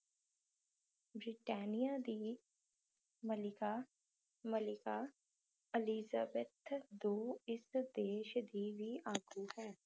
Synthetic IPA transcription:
bɾɪʈɛːnijaːd̪iː | məlɪkaː | məlɪkaː | əliːzaːbet̪ʰd̪oːɪsd̪eːʃd̪iːʋiːaːɡuːhɛː

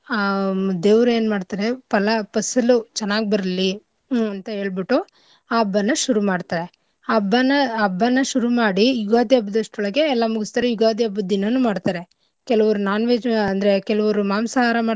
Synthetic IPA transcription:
aːd̪eːʋɾueːnmaːɖt̪aːɾepɐlɐpɐsɐlut͡ʃɛnːaːɡibɐɾɐli | ɐnt̪ɐɦe̞ːɭbiʈːu | aːɐbːɐnːɐʃuɾumaːɖt̪aːɾe̞ | bːɐnɐːbːɐnːɐʃuɾumaːɽijuɡaːd̪jɐbːɐd̪ɐʂʈɔɭɐɡe̞ɛlːɐmuɡist̪aːɾejuɡaːd̪iɐbːɐd̪inɐnːumaːɖt̪aːɾe̞ | kɛlɐʋɐɾunaːnʋeːɐnd̪ɐɾekɛlɐʋɐɾumaːmsɐaːɾɐmaː

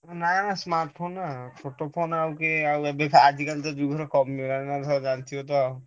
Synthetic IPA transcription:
nanasmaɾʈpʰonːapʰoʈopʰonawkeawɛbekʰad͡ʒʱikalt̪ɔd̪uɡʱɔɾekɔmiokannad̪ʰʱɔd͡ʒant̪ʰiot̪ɔaw

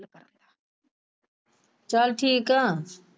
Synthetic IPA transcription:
lkəɾənd̪aː | t͡ʃaːlʈʰiːkãː

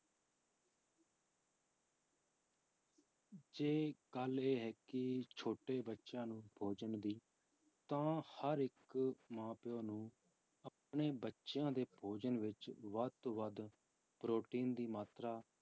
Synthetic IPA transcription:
d͡ʒeːɡəleːɦɛːkɪt͡ʃʰoːʈeːbətːʃãːnũːbʱoːd͡ʒənd̪iː | t̪ãːhəɾɪkmãːpɪjõːnũː | əp̚ɳeːbətːʃjãːd̪eːbʱoːd͡ʒənʋɪt͡ʃʋət̪oʋəd̪ | pɾoːʈiːnd̪iːmaːt̪ɾaː

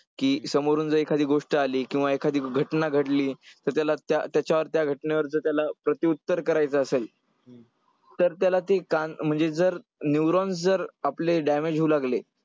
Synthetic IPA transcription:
kiːsəmoɾuːnd͡zəɾekʰad̪ʱiːɡoʂʈəaliːkĩw̃ʋaekʰad̪ʱiːɡʱəʈnaɡʱəʈliːt̪əɾt̪jalat̪jat̪jat͡ɕaʋəɾt̪jaɡʱəʈneʋəɾt͡səːt̪jalapɾət̪iut̪ːəɾkəɾajt͡səːsel | t̪əɾt̪jalat̪ekanm̤əɳd͡zed͡zəɾ | njuɾɔ̃nsd͡zəɾapleɖamed͡ʑɦuːlaɡle

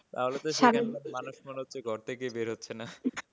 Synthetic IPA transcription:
t̪a̰ɦolet̪oʃaanomanuʃmoneɦotːɕʰeɡʱɔɾt̪ʰekejbeɾɦotːɕʰena

